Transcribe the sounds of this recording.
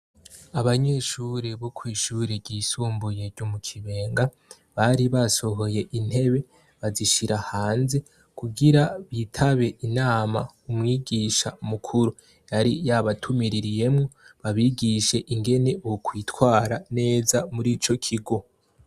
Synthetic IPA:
aβaɲe̞ʃuːɾeβokʰwiːʃuːɾeɾɟiːsuːmbujeɾɟomukʰiβe̞ːŋɡa | βaɾiβaso̞ɦo̞je̞ʔin̥e̞βe̞ | βaziʃiɾahaːnze̞ | kuɡiɾaβitʰaβe̞ʔinaːma̰umŋiːɡiːʃamukʰuɾu | jaɾijaβatʰumiɾiɾije̞mŋo̞βaβiɡiʃe̞ʔiŋɡe̞ne̞βokʰwiːtwaːɾane̞ːzamuɾit͡ʃo̞kʰiɡo

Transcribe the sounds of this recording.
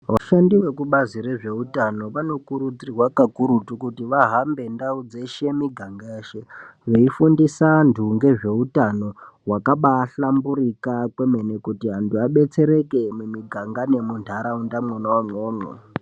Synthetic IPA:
ʋaʃandiwe̞kuɓaziɾe̞ʐe̞utano̞ʋano̞kuɾud͡zirwakakuɾutukutiʋaɦambe̞ndaud͡zeʃe̞miɡʱaŋɡaeːʃe̞ʐeifundisandʱuŋɡe̞ʐe̞utano̞ | wakaɓaːɬambuɾikakwe̞menekutiɦanduaɓe̞t͡se̞ɾe̞ke̞mumiɡʱaŋɡane̞mundʰʱaɾaundamwonawamoːmo̰

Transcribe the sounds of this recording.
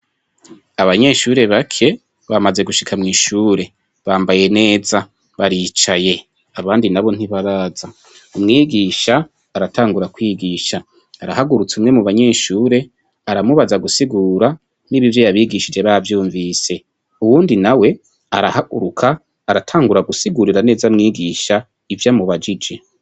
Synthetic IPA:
aβaɲe̞ʃuːɾe̞βakʰe̞ | βamaze̞ɡuʃi̥kʰamŋiːʃuːɾe̞ | βaːmbaje̞ne̞ːza | βaɾit͡ʃaje̞ | aβaːndinaβo̞n̥iβaɾaːza | umŋiːɡiːʃaː | ɾatʰaːŋɡuɾakwiːɡiːʃaː | ɾahaɡuɾut͡sumŋe̞muβaɲe̞ːʃuːɾe̞ | aɾamuβazaɡusiɡuːɾa | niβivjo̞jaβiːɡiʃid͡ʒe̞βaavjuːɱviːse̞ | uwuːndinawe̞ | aɾahaɡṵɾukʰaː | ɾatʰaːŋɡuɾaɡusiɡuɾiɾane̞ːzamŋiːɡiːʃa | ivjamuβad͡ʒid͡ʒe̞

